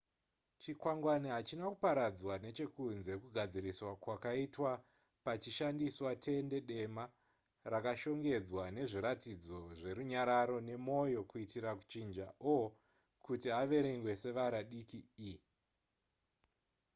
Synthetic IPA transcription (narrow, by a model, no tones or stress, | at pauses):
t͡ʃikwaŋɡwaniɦat͡ʃinakupaɾad͡zwane̞t͡ʃe̞kunze̞kuɡʱad͡ziɾiswakwakaitwa | pat͡ʃiʃandiswatʰe̞nde̞ɗe̞ma | rakaʃo̞ŋɡe̞d͡zwane̞ʐiɾatid͡zo̞ʐe̞ɾuɲaɾaɾo̞ne̞mo̞jo̞kuitiɾaku̥t͡ʃind͡ʒaʔo | kutiaʋe̞ɾeŋɡwe̞se̞ʋaɾaɗikii